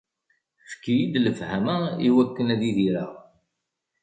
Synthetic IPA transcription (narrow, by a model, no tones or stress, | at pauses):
fkːijid̪ləfhæmæiwækːənæðiðiɾə̰ʁ